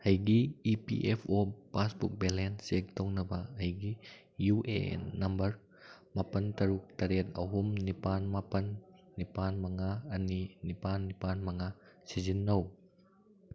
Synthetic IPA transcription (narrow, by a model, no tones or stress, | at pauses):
hɐjɡiipḭʔɛpʰopasbuk̚bɛlɛnsek̚t̪ɔŋnɐbaɐjɡi | juʔḛnːɐmbəɾ | mapɐnt̪ɐɾuk̚t̪ɐɾet̪̚ɐɦumnipanmapɐnːipanmaŋaːninipanːipanmaŋasizinːow